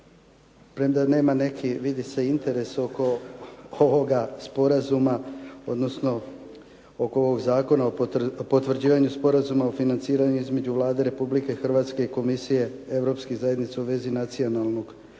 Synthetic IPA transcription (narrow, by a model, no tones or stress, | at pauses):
pɾemd̪ane̞ːmane̞kʰiʋid̪ise̞int̪e̞ɾe̞so̞ko̞ | oʋo̞ɡaspo̞ɾazumao̞d̪no̞sno̞ | okooʋoɡzaːko̞naopo̞t̪ʋr̩d͡ʑiːʋaɲuspo̞ɾazumaofinant̪siːɾaɲuizme̞d͡ʑuʋlˠaːd̪e̞ɾe̞publike̞xr̩ʋaːt̪ske̞iko̞misije̞ | e̞ʋɾo̞pskezajed̪nit̪sauʋe̞zinat̪sio̞nalˠno̞ɡ̥